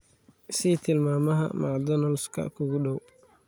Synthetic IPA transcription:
siːt̪ʰɪlmaːmɐɦɐ̰ma̰ʕd̪ɔnɐlskʰɐ̰kʰʊɣʊɖɔw

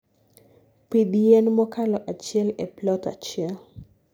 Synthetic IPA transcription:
pidɛnmɔkalɔʔat͡ʃɪɛlɛplɔta̰t͡ʃɪɛl

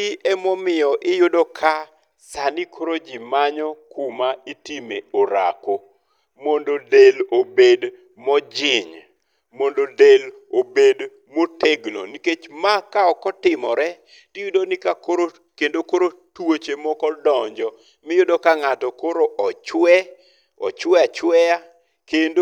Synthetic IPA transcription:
iɛmɔmɪjɔʔɪjʊdokʰa | sanɪkʰoɾod͡ʒimaɲɔkʰʊmaɪtimeoɾa̰ko | mondodelobed | mɔd͡ʒɪɲ | mondodel | obed | moteɡlo̰niket͡ʃmakaɔkɔtɪmɔɾɛ | tɪjudonɪkakoɾo | kendokoɾotwot͡ʃemɔkɔdɔɲd͡ʒɔ | mɪjodokaŋatɔkoɾoʔɔt͡ʃwɛ | ɔ̰t͡ʃwɛat͡ʃwɛja | kendo

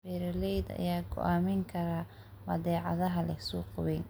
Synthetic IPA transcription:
bɛɾɐlɛjd̪ɐ̰jaːɡɔ̰ʔaːmɛŋkʰɐɾaː | mɐðɛːʕɑ̰ðɐɦɐlɛhsuːqʊβɛːn

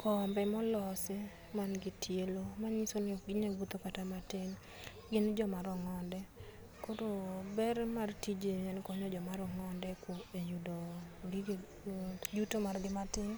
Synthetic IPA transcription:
kʰɔmbɛmɔlɔsɪ | manɡɪtʰjelomaɲisonɪɔɡɪɲaɡut̪okatamatɪŋ | ɡɪnd͡ʒɔmaɾɔŋɔndɛ | kodobɛɾmartid͡ʒeɛnkɔɲɔd͡ʒɔmaɾɔŋɔndɛkwoejudoɡɪ | jutomarɡɪmatɪŋ

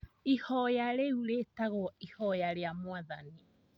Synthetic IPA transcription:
ihɔjaɾeuɾetaɣɔihɔjaɾeamwaðani

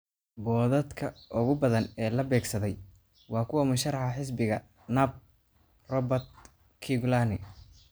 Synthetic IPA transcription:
bɔːðɐd̪kʰɐʔʊɣʊbɐðɐnɛːlɐbɛːɡsɐðɛj | wɑːkʰʊwɐmʊʃɐrɑħɐħɪs̬bɪɣɐ | nɐb̚ | rɔbɐt̪ | kʰiɡʊlanɪ

